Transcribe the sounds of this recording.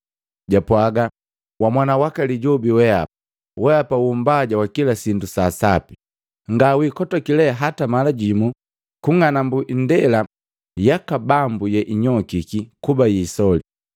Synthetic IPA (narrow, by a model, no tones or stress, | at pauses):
ɟapwaɡa | wamwanawakaliɟɔbiwɛa̰ | wɛapaumbaɟawakilasindusaːsapi | ŋɡawikɔtɔkilɛɦatamalaɟimu | kuŋanambuʔndɛla | jakabambujɛʔiɲɔkikikubajiːsɔli